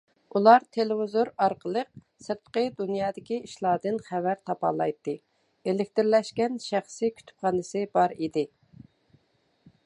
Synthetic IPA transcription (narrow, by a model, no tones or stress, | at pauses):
ulˠɑɾt̪ʰelɪvɪzoɾɑɾqʰəlˠəq̚ | sɨɾt̪qəd̪unjɑːd̪ɪkʲiiʃlˠɑːd̪ɨnχævæɾt̪ʰɑpɑ̰lˠɑjt̪ːɨ | elɪk̚ʲt̪ɪɾlɛʃkʲɛnʃæχsɨkʲʰy̥t̪ʰy̥p̚χɑnɨsɨbɑɾid̪ɪ